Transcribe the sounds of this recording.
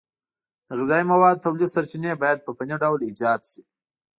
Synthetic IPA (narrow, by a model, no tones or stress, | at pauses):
d̪̥əɣɪzɑimawɑd̪̚t̪awlisaɾt͡ʃinebɑjad̪̚pəpaniɖawlid͡ʒɑd̪ʃi̥